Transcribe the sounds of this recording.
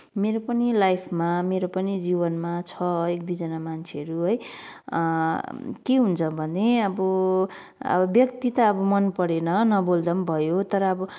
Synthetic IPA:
meɾopʌnilajpʰmameɾopʌnid͡zibʌnmat͡sʰʌek̚d̪id͡zʌnamant͡sʰeɦʌɾuɦʌj | keɦunt͡sʰʌbʱʌneʌbʌ | ʌ̰ʌbjʌkt̪it̪ʌːbʌmʌnpʌɾenʌnʌbold̪ʌmbʱʌjot̪ʌɾʌʌbʌ

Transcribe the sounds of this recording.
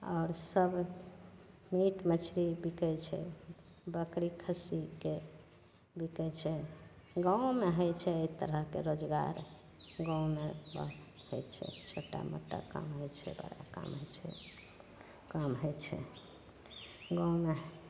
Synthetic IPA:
ɔɾsəbʱ | miʈmət͡ʃʰɾibikɛjt͡ʃʰɛ̰ | bəkɾikʰəsike | bikɛt͡ʃʰɛ | ɡãwũmeɦəjt͡ʃʰɛəjt̪əɾəɦkeɾod͡ʒɡa̰ɾ | ɡãmebə | həjt͡ʃʰɛ̰t͡ʃʰoʈa̰mo̰ʈːa̰ka̰mɦəjt͡ʃʰɛ̰bə̰ɾa̰ka̰mɦəjt͡ʃʰɛ | kəmɦəjt͡ʃʰɛ̰ | ɡãume

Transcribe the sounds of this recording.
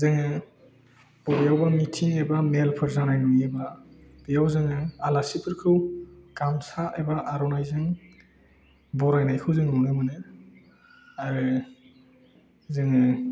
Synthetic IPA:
zɯŋɯ | b̥ɔbijawbamitʰiŋejbamelpʰɯɾzanajnuŋebab̥ijawzɯŋɯalasipʰɯɾkʰɯwɡ̥amsaʔebaʔaɾɔnajzɯŋ | bɔɾajnajkʰɯwzɯŋnɔŋɯmɯnɯ | aɾɯ | zɯŋɯ

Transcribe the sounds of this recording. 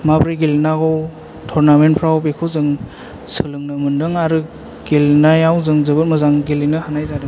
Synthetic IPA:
mabɾiɡelnaɡɔw | tʰɔɾnamenpʰɾawbekʰɯzɯŋ | sɯlɯŋnɯmɯndɯŋaɾɯ | ɡelnajawzɯŋzɯbɯt̚mɯzaŋɡelinɯhanajzadɯ

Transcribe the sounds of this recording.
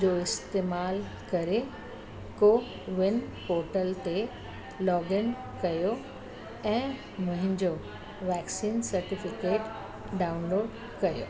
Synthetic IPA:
d͡ʑoːɪst̪eːmaːl | kɐɾe | koː | ʋɪnpoːɾʈəlt̪e | lɔːɡɪn | kɐjo | ɛ̃ː | mʊ̃ɦɪ̃ɲd͡ʑo | ʋɛːksiːnsɐɾʈɪfɪkeːʈ | ɖaːʊnloːɖ | kɐjo̰ː

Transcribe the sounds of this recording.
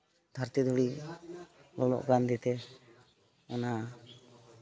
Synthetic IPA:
d̪ʱaɾt̪id̪ʱuɽi | lɔlɔ̰ʔɡɾand̪it̪ɛ | ɔna

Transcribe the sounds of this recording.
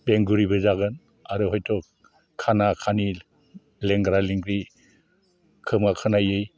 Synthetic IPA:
beŋɡuɾibɯzaɡɯn | aɾɯɦɔjtʰɔ | kʰanakʰani | leŋɡɾaliŋɡɾi | kʰɯmakʰanajɯj

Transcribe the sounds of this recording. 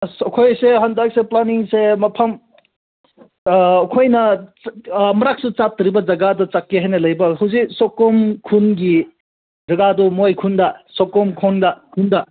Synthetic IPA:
sɐkʰojseɦɐndak̚seplaniŋsemɐpʰɐm | kʰojnɐ | mɐɾak̚sut͡ʃap̚tɾibɐd͡ʒɐɡadɐt͡ʃakːeɦajnɐlɐjbɐɦɐwziksɔkːomkʰunɡi | zɐɡadumojkʰundɐsɔkɔmkʰondɐkʰundɐ

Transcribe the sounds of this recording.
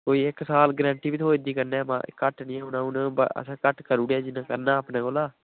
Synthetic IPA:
koːiːɪksaːlɡɾɛ̃ːɳʈiːbit̪ʰoːɪd̪iːkəɾneːmã̰ːʔɪ̰kːəʈnĩːɦʊnãːʊnːbə̰ə̰sãːkəʈkəɾuːɽaːd͡ʒɪnãːkəɾnaːpnãːkoːlaː

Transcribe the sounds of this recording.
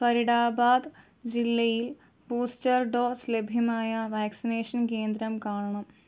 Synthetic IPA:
pɐɾiɽaːbaːd̪ | d͡ʑilːɐjil | buːstɐrɖoːslebʱjɐmaːjɐʋaːksineːʂɐnke̞ːnd̪ɾɐmkaːɳɐɳɐm

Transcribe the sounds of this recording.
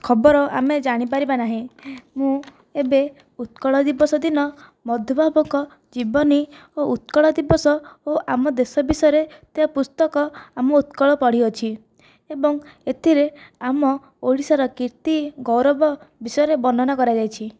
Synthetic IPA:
kʰɔbɔɾɔʔa̰med͡ʒaɽ̃ip̬aɾibanaɦĩmũ | ebe | ut̪̚kɔɭɔd̪ibɔsɔd̪inɔ | mɔd̪ʱjɔbʱabɔkɔ | d͡ʒibɔni | out̪̚kɔɭɔd̪ibɔsɔoʔamɔd̪esɔbisɔjɔɾet̪eɦapust̪ɔkɔamɔut̪kɔɭɔpɔɽ̤iɔt͡ʃʰi | ebɔŋet̪ʰiɾeamɔ | oɭisaɾɔkiɾt̪iɡɔwɾɔbɔbisɔjɔɾebɔnd̪ʱɔnɔkɔɾad͡ʒajt͡ʃʰi

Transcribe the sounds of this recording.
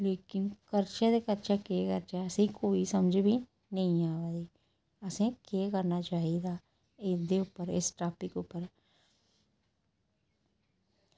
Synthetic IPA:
leːkɪnkəɾt͡ʃed̪ekəɾt͡ʃakeːkəɾt͡ʃaəsĩkoːisəmd͡ʒbʱi | nəɦĩaːʋad̪iː | əsẽkeːkəɾnaːt͡ʃaːiɡaː | ɪd̪eʊpːəɾɪsʈaːpɪkʊpːəɾ

